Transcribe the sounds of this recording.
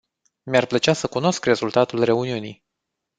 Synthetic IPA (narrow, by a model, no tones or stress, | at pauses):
mʲarplət͡ʃasəkuno̞skre̞zult̪at̪ulre̞uniunij